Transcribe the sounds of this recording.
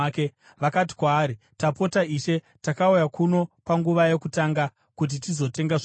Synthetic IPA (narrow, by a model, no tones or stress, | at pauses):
ke | ʋakat̬i̥kwaːɾi | tapo̞taiʃe̞ | takaujakuno̞paŋɡuʋaje̞kutaːŋɡa | kut̬itizo̞te̞ŋɡaʐ